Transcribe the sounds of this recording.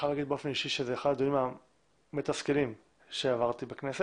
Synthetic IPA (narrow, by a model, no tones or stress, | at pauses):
alaɡid̪̚beofeniʃiʃezeːχad̪d̪oima | met̪askelim | ʃeavaʁt̪ibeknese